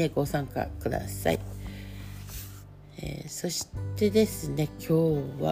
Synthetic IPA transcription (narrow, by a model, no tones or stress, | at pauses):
eɡo̞ːsãŋka̰kɯ̟d̪a̰sa̰i | ḛːso̞ɕi̥t̪e̞d̪e̞sɨne̞kʲʰo̞ːβa̰